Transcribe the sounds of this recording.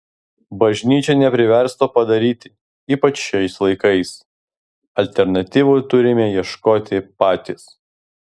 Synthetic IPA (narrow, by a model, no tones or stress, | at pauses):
bɐʒʲnʲiːt͡ʃʲɛnʲɛpʲɾʲɪʋʲɛɾst̪oːpɐd̪ɐɾʲiːt̪ʲɪ | iːpɐt͡ʃʃɛɪslˠɐɪkɐɪs | ɐlʲt̪ʲɛɾnɐt̪ʲiːʋʊt̪ʊɾʲɪmʲeːjiɛʃkoːt̪ʲɪpɑːt̪ʲis